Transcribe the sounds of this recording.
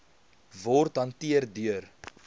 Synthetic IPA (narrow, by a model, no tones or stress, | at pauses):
vɔrtɦɐntiərdyər